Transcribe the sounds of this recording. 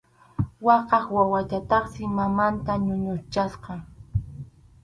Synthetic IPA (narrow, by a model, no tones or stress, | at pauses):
wɑqɑχwawat̪at̪ɑχsɪmamant̪aɲʊɲʊt͡ʃasqɑ